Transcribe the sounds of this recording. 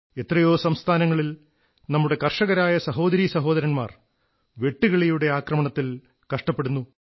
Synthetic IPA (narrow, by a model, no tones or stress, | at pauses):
e̞t̪rɐjo̞ːsɐmst̪ʰaːnɐŋːɐɭil | nɐmːuɽe̞kɐrʂɐɣɐɾaːjɐsɐɦo̞ːd̪ɐɾisɐɦo̞ːd̪ɐɾɐnma̰ːr | ʋe̞ʈːuɣɐɭejuɽe̞aːkrɐmɐɳɐt̪ːil | kɐʂʈɐpːeɽunːu